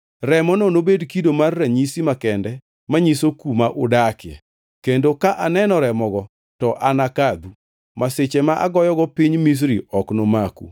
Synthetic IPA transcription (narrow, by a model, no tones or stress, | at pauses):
rɛmɔnonobedkidomarːaɲisimakɛndɛ | maɲisokumaʔʊdakɪɛ̰ | kendokaʔanɛnɔɾɛmɔɡɔ | tɔʔanakad̪u | maset͡ʃɛmaʔa̰ɡɔjɔɡɔpiɲmis̬ɾiɔknomakṵ